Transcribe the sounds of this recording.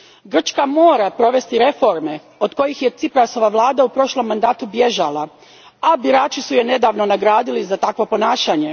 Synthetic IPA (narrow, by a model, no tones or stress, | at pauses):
ɡr̩t͡ʃkamo̞ːɾapɾo̞ʋe̞st̪iɾe̞fo̞ɾme̞ | o̞d̪ko̞jixje̞t̪sipɾaso̞ʋaʋlˠaːd̪aupɾo̞ʃlˠo̞mːand̪aːt̪ubje̞ʒalˠa | abiɾaːt͡ʃisuje̞ne̞d̪aːʋno̞naɡɾaːd̪ilizat̪akʋo̞po̞naːʃaɲe̞